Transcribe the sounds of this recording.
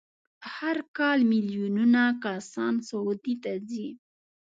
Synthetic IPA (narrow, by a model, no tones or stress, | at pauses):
haɾkɑlmiljununakasɑnsaut̪it̪azi